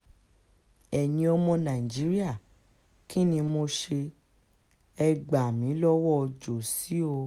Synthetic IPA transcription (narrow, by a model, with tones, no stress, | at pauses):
ɛ˨nĩ˧ɔ˧mɔ̃˧nã˨i˨d͡ʒi˨˦ɾi˦a˦˨ | ki˦nĩ˧mo˧ʃe˧ | ɛ˧ɡ͡ba˨mĩ˨˦lɔ˦wɔ˦˧d͡ʒo˨si˨˦o˧